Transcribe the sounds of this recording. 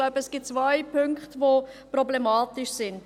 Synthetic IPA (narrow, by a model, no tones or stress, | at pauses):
laʊbəɛsɡ̥ɪt̚t͡svaɪpʰʏŋkχtvopɾɔblemaːtɪʃsɪnd